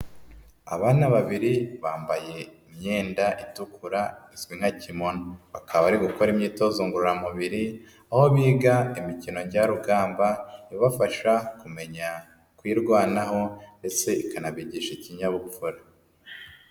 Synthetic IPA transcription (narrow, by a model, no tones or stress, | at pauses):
a̰βaːnaβaβiɾiβaːmbaje̞imɲe̞ːndaʔitukʰuɾaiswiŋ̥hacimonβakaββaɾiɡuko̞ɾimɲiːto̞zuːŋɡuɾuɾamuβiɾi | aho̞βiːɡaimicino̞ɲɟaɾuɡaːmbaiβafaʃakume̞ɲa | kwiːɾɡwaːnaɦo̞nde̞t͡se̞ikanaβiɟiʃeciɲaβupuɾa